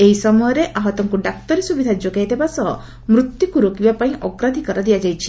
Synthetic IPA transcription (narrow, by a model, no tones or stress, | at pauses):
eɦisɔmɔjɔɾeʔaɦɔt̪ɔŋkuɖak̚t̪ɔɾisubid̪ʱad͡ʒoɡajt̪ebasɔ | mɾut̪jukuɾokibapaĩʔɔɡɾad̪ʱikɔɾɔd̪iad͡ʒajt͡ʃʰi̥